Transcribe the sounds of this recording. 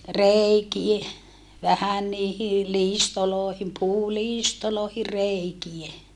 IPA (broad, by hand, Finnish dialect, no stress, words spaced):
reikie ʋæhæn niːhi liːstoloːhim puːliːstoloˑehir̆ reikie